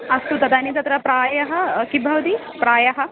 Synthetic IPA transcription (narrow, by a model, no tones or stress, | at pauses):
ɐst̪ut̪ɐd̪anit̪ɐt̪ɾɐpɾaːjɐɦɐkibʱɐʋd̪i | pɾaːjɐɦɐ̆